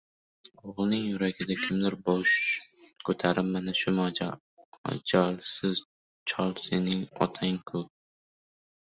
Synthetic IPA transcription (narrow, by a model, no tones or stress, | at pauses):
oʁlˠnɪŋjʊɾaɡʲɪd̪akʲʰɪmd̪ɪɾbɒʃkʰɵt̪ʰaɾɪpmanaʃʊmɒ | d͡ʒɒlˠsɪz | t͡ʃʰɒlˠsenɪŋɒ̰t̪ʰaɪŋkʰɵp̚